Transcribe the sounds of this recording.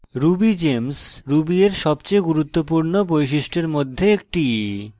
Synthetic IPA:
ɾubid͡ʑemsɾubieɾʃɔbt͡ɕejɡuɾut̪ːopuɾnobojʃ̬iʃʈeɾmod̪ʱːeek̚ʈi

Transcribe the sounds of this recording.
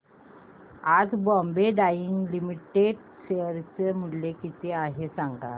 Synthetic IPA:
ad͡zbɔmbeɖajiŋɡlimiʈeɖ | ɕeəɾt͡semullekit̪eaɦesãŋɡa̰

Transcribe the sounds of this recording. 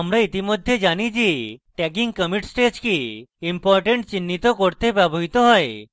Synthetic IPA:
amɾait̪imod̪ʱːed͡ʒanit͡ʃʰiʈɛk̬iŋkəmiʈsʈet͡ʃkiimpɔɾʈeɳʈt͡ʃinːit̪okoɾt̪ebaboɦit̪ɔɦɔe

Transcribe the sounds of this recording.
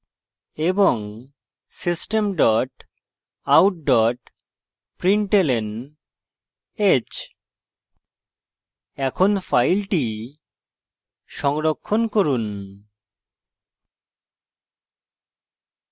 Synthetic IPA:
eboŋ | sisʈemɖɔʈ | awʈ̚ɖɔʈ | pɾiɳʈelen | et͡ɕ | ɛkʰonfʰajlʈi | ʃɔŋɾokʰːonkoɾun

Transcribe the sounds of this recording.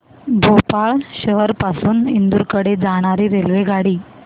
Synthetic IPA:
bʱopaɭɕəɦəɾpasuːnind̪uɾkəɽed͡zaɽ̃aɾiːɾelʋeɡʱaɽiː

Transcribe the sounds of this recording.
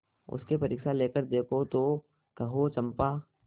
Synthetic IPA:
ʊ̰skepɐɾɪkʃaleːkəɾd̪eːkʰot̪o | kɐɦot͡ʃɐ̃mpaː

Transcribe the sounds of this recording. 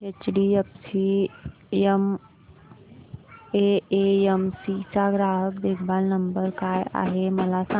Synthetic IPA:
ket͡ʃɖiəpsi | em | eeemsisaɡɾaːɦəkd̪eːkʰbaːlnəmbəɾkaːja̰ːɦeməlasa

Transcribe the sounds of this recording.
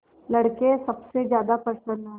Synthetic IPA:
lɐɽkesɐbsed͡ʒjaːd̪apɐsənã

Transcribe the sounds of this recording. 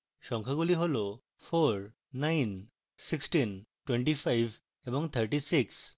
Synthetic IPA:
ʃɔŋkʰaɡuliɦolo | pʰoɹː | ajn | siksʈinʈweɳʈifʰajbʱ | ebɔŋt̪ʰəɹʈisiks

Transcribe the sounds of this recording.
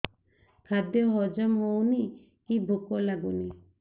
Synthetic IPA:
kʰad̪jɔɦɔd͡ʒɔmɦowni | kibʱukolaɡuni

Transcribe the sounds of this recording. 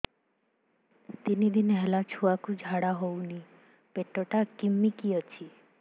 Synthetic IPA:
t̪inid̪inɦɛlat͡ʃʰuakud͡ʒʱaɽaɦowni | peʈɔʈakimːikiɔt͡ʃʰi

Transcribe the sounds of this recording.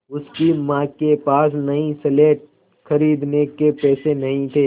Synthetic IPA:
ʊskimãːkepaːs̬nɐɦĩsɛleːʈ̚ | xɐɾiːd̪nekepɛːsenɐɦĩt̪ʰeː

